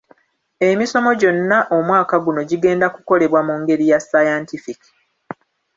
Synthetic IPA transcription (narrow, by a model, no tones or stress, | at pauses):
e̞miso̞mo̞ɟo̞nːaʔo̞mwaːkaɡuno̞ɟiɡe̞ːndakuko̞le̞βwamuŋɡe̞ɾijasajantifiki̥